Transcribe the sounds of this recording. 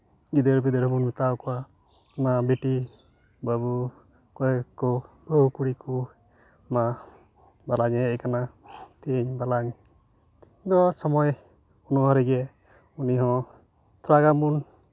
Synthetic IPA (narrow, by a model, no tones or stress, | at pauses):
ɡid̪eɾbid̪eɾmunmit̪awkɔa | nabiʈi | babu | kɔɛkːɔbɔkuɽiku | ma | balaɲɛːkanat̪iɲbalaɲ | d̪ɔsɔmɔj | unɔaɾiɡɛ | uniɦɔ̃ | t̪ʰɾaɡamun